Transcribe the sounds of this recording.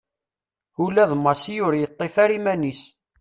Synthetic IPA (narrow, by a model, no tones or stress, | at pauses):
ulæðmɑsijʊɾjət̪ˤːefæɾimænis